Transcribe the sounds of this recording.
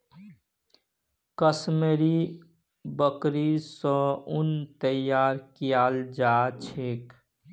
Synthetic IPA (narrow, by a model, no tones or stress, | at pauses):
kəsmeɾi | bəkɾisɔʊnt̪əjaːɾkijaːld͡ʒaːt͡ʃʰek